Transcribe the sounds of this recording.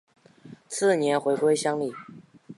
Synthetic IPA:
t͡s̩ʰ˥˩njɛ˧˥nxwe˧˥ɪkwe˥ɪɕjɑ˥ŋli˥˩˨

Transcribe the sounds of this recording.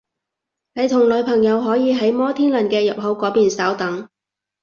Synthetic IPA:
ne˨˧jt̪ʰʊ˨˩ŋlɵ˨˧ɥpʰɐ˨˩ŋjɐ˨˧wɦɔː˨˥jiː˨˧ɦɐ˨˥jmɔː˥t̪ʰiː˥nlɐ˨˩nkɛː˧jɐ˨p̚ɦɐ˨˥wkɔː˨˥piː˨nsaː˨˥wt̪ɐ˨˥ŋ

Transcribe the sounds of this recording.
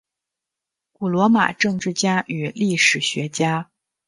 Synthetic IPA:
ku˨˩lwɔ˧˥ma̰˨˩ʈ͡ʂɤ˥˧ŋʈ͡ʂɻ̩˥˩t͡ɕja˥ʔy˨˩li˥˩ʂɻ̩˨˩ɕɥɛ˧˥t͡ɕja˥

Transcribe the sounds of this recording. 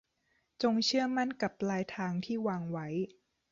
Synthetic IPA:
t͡ɕo˧ŋt͡ɕʰɯ˥˩ɐəma˥˩nka˨˩p̚laː˦˥jt̪ʰaː˧ŋt̪ʰiː˥˩waː˧ŋwa˦˥j

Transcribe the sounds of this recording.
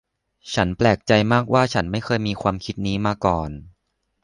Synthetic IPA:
t͡ɕʰa˦˥nplɛː˨˩k̚t͡ɕa˧jmaː˥˩k̚waː˥˩t͡ɕʰa˦˥nma˥˩jkʰɤː˧jmiː˧kʰwaː˧mkʰi˦˥t̪̚niː˦˥maː˧kɔː˨˩n

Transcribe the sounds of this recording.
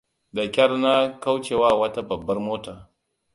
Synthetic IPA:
da˨kʲɐ˦rna˦ka˦wt͡ʃe˨wa˦wɐ˦ta˦bɐ˨bːɐ˦rmoː˦taː˨

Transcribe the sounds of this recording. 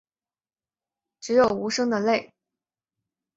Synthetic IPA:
ʈ͡ʂɻ̩˧˥jo˨˩ʊu˧˥ʂɤ˥ŋd̪ə˨le˥˩ɪ

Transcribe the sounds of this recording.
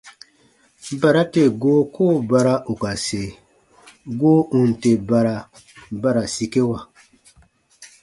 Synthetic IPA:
ba˨ɾa˦te˦˨ɡoː˦koː˦˨ba˧ɾa˦ʔo˨ka˨se˨ | ɡoː˦ʔũ˨n˨te˨ba˧ɾa˨ | ba˦ɾa˨si˦ke˦wa˨

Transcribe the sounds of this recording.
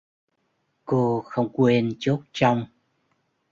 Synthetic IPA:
ko˧xə˧wŋ͡mkwe˧nt͡ɕo˦˥t̚t͡ɕa˧wŋ͡m

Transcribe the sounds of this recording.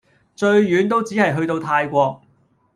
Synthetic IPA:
t͡ʃɵ˧ɥɥyː˨˥nt̪o˥wt͡siː˨˥hɐ˨jɦɵ˧t̪o˧wt̪ʰaː˧jkʷɔː˧k̚

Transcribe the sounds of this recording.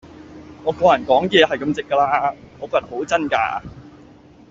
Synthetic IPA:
ŋɔː˨˧kɔː˧jɐ˨˩nkɔː˨˥ŋjɛː˨˧hɐ˨jkɐ˧mt͡sɪ˨kːəː˧laː˥ŋɔː˨˧kɔː˧˥tɐ˨ho˨˥wt͡sɐ˥nka̰ː˧

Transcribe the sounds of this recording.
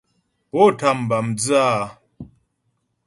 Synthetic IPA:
pɔ˦˨ta˨m˨ba˨md͡za˦˨˦

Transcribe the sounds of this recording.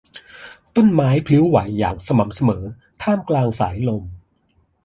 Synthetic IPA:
t̪o˥˩˨nmaː˦˥jpʰlɯ˦˥wwa˩˦jːa̰ː˨˩k̚sa˧ma˩˦msa˧mɤː˩˦ | t̪ʰaː˥˩mklaː˧ŋsa̰ː˩˦jlo˧m

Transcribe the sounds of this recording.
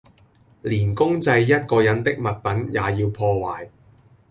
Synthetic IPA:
liː˨˩nkʊ˥ŋt͡sɐ˧jːɐ˥t̚kɔː˧jɐ˨˥nt̪ɪ˥k̚mɐ˨˩t̚pɐ˨˥njaː˨jiː˧wpʰɔː˧waː˨˩j

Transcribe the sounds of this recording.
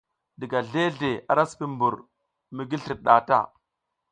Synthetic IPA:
di˨ɡa˨ɮe˦ɮe˨a̰˨ɾa˦spi˦mbu˨ɾ | mi˨ɡi˦ɬi˨ɗa˨ta̰˦

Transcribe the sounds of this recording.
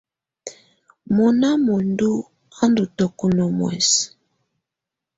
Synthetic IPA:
mɔ˨na˦mo˨ndu˦ | a˦ndu˨tɔ˨ku˨nɔ˨mwɛ̰˨s

